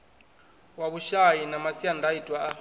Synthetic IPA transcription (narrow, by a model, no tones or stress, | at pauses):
waɓuʃajinamasiandʱaidʱʼwaa